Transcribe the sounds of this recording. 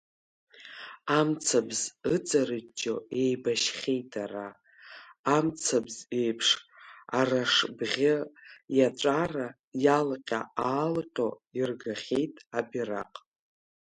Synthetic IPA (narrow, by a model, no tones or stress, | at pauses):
amt͡sʰabzɨt͡sʼaɾɨt͡ʃʼːoe̞jbaʃχʲejtʼʰaɾaː | mt͡sʰabze̞jpʰʂaraʂbʁʲɪjaʈ͡ʂʼara | jalqʲʼa̰aːlqʲʼoirɡaχʲe̞jtʼabira̰qʼ